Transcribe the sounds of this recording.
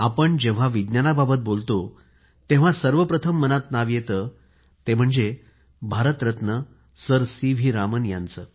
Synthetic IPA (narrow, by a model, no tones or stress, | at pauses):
apəɳd͡ʑeʋ̤aʋid̪njanababət̪̚bolt̪o | t̪ẽʋ̤asəɾʋəpɾət̪ʰəmːənat̪naʋjet̪ə | t̪em̤əɳd͡ze | bʱaɾət̪ɾət̪nə | səɾsiʋʱiːɾamənjã̰nt͡səː